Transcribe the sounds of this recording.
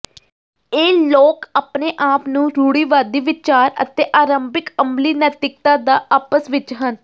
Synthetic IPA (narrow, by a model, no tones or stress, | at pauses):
eːloːkaːpneːʔaːpnũːɾuːɽiːʋaːd̪iːʋɪt͡ʃaːɾə̰t̪eːʔaːɾəmbɪkəmbliːnət̪ɪk̚t̪ãːd̪aːʔaːpəsʋɪt͡ʃɦən